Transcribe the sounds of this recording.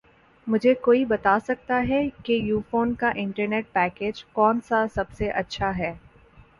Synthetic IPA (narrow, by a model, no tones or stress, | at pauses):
mʊd͡ʒʱekoːibɐt̪aːsɐk̚t̪aɦɛkejuːfoːnkaʔɪ̃ɳʈəɾneːʈ̚pɛːkeːd͡ʒkɔːnsasɐbseʔɐtːʃʰaɦɛː